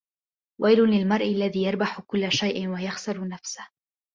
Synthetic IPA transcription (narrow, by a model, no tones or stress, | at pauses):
wʔajlʊnlɪlmɑɾˤʔɪlːaðiːjɑɾˤbaħʊkʊlːaʃajʔɪwajaxsɑɾˤnafsḁh